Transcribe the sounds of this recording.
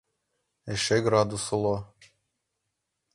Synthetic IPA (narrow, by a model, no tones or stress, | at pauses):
eʃeɡɾɑd̪usolˠo